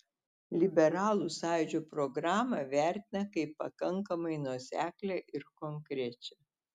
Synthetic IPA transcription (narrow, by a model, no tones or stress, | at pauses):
lʲɪbʲɛɾɑːlˠuˑsɑˑɪd͡ʒʲuːpɾɔɡɾɑːmɐʋʲæˑɾʲt̪ʲɪnɐkɐɪpːɐkɐŋkɐmɐɪnuɔsʲæːklʲɛʔɪɾkoŋkɾʲɛt͡ʃʲɛ